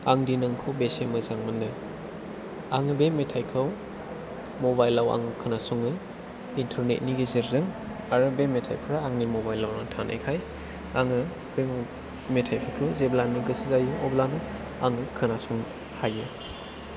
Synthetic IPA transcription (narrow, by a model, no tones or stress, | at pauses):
aŋdinɯŋkʰɯwbesemɯzaŋmɯndɯ | aŋɯbemːetʰajkʰɯw | mobajlːawa̰ŋɯkʰɯnasuŋɯ | intʰaɾnḛt̚niɡezeɾzɯŋ | aɾɯbemːetʰa̰jpʰɯɾaːŋnimobajlːawnaŋtʰana̰jkʰaj | aŋɯ | bem | metʰajpʰikʰɯwzeblanɯɡɯsizajuɔblanɯ | aŋɯkʰɯnasuŋ | hajɯ